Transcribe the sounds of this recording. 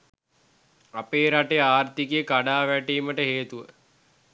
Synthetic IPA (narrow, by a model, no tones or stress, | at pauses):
apeːɾaʈejaːrt̪ikijəkaɖaːʋæʈiːməʈəɦeːt̪uʋə̰